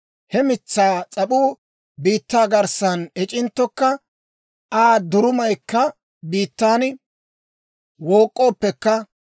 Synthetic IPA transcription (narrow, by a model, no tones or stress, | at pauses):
hɛmɪt͡sːaːt͡sʼɐɓuː | biːt̪ːaːɡɐɾsɐnɛt͡ʃʼɪnt̪ːɔkːɐ | aːd̪ʊɾʊmɐjkːɐ | biːt̪ːaːn | woːkʼːo̞ːpːɛkːɐ